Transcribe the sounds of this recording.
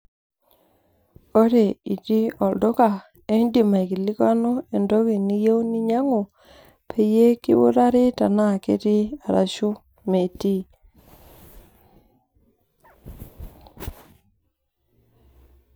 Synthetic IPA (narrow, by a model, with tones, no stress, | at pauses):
o˦ɾe˨i˨ti˦ɔ˨ldo˦ka˨ | e˦ndi˨ma˨i˨ki˨li˦ka˦no˦e˨ndo˦ki˨ni˦je˦u˦ni˦ɲa˦ŋo˨ | pʰe˨je˦ki˦wo̰˦ɾa˦ɾi˦ta˨na˦˨ke˦ti˦a˨ɾa̰˨ʃu˦ | me˨ti˦